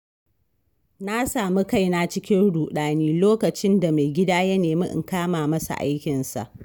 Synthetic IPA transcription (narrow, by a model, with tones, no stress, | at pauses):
na˦saː˨mi˦ka˦˨jna˦t͡ʃɪ˦kʲɪ˦nɽuː˨ɗaː˨niː˦loː˦kɐ˨t͡ʃɪ˦nda˨ma˨jɡʲɪ˦daː˦jɐ˦neː˨mḭ˦ʔɪ̰˨ŋkaː˦maː˨mɐ˦sa̰˨ʔa̰˦jkʲɪ˨nsa̰˨ʔ